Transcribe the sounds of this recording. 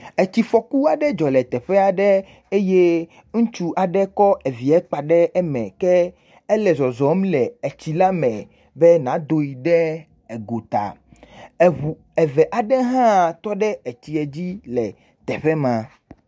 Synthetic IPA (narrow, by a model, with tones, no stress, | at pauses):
e˨t͡ɕi˨fɔ˨ku˦a˨ɖɛ˦d͡ʒɔ˨lɛ˨t̪ɛ˨ɸɛ˦a˨ɖɛ˦ | e˦je˦ | ŋũ˦t͡ʃu˦ʔa˨ɖɛ˦kɔ˦ʔe˨vi˨ɛ˦k͡pa˨ɖɛ˦ɛ˦mɛ̰̃˨kɛ˦ | ɛ˦lɛ˨zɔ˨zɔ˨˦mlɛ˨e˨t͡ɕi˨la˦mɛ̃˨ | bɛ˦nã˨˦d̪o˨ji˨ɖɛ˦ | e˨ɡo˨t̪a̰˨ | u˨ | ɛ˨vɛ˨ʔa˨ɖɛ˦ɦã˦˨t̪ɔ˦ɖɛ˦e˨t͡ɕi˨ɛ˨d͡ʑi˦lɛ˨ | t̪ɛ˨ɸɛ˦mã˨